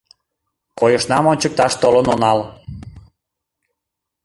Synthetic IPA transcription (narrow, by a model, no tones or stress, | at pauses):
kojəʃnɑmonʲt͡ɕək̚t̪ɑʃt̪olənonɑl